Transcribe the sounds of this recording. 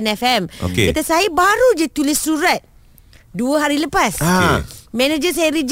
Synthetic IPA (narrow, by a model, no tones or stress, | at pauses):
nɛfɛmo̰kekit̪asajəbaɾud͡ʒət̪ulɪsːuɾat̪̚ | duəɦaɾiləpas | mɛnad͡ʒəsajəɾid͡ʒ